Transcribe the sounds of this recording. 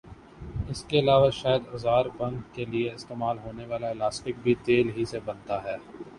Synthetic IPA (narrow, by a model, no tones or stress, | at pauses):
ɪskeɐlaːʋaʃaːjəd̪ʊzaːɾbɐ̃ŋɡːelieɪst̪eːmaːlɦoːneʋaːlaelaːsʈɪk̚bʱit̪eːlɦisebɐ̃nt̪aɦɛː